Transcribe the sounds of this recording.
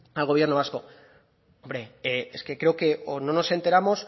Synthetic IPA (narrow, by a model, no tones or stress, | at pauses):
alɣo̞βje̞ɾno̞βasko̞ | omɾe̞eeske̞kɾe̞oke̞ʔono̞no̞se̞nt̪e̞ɾamo̞s